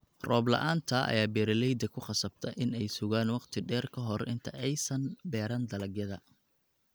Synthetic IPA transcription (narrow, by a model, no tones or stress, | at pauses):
rɔːblɐ̰ʔaːnt̪ʰɐʔɐ̰jaːbɛːɾɐlɛjd̪ɐkʰʊqɑsɐb̚t̪ʰɐʔɪnɛjsʊɣaːnwɑqt̪ʰɪɖɛːrkʰɐɦɔrʔɪ̰nt̪ʰɐ̰ʔɛjsɐnbɛːɾɐnd̪ɐlɐɡjɐðɐ